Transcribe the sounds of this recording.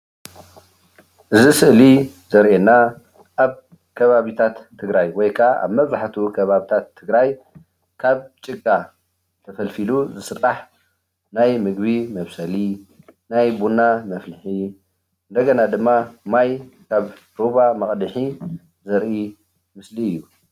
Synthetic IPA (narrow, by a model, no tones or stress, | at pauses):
ʔɨzisɨʔli | zɐɾʔenːa | ʔaβ | kʰɐβaβit̪ʰat̪ʰːɨɡɾajwɔjkʰaa̰βmɐβzaħt̪ʰukʰɐβaβit̪ʰat̪ʰːɨɡɾaj | kʰaβt͡ʃʼɨɡa | t̪ʰɐfɐlfiluzɨsɨɾaħ | najmɨɡβimɐβsɐli | najbunamɐflɨħi | ʔɨnd̪ɐɡɐnad̪ɨmːamajkʰaβ | ɾoβamɐkʼd̪ɨħi | zɐɾʔi | mɨsliɨjːu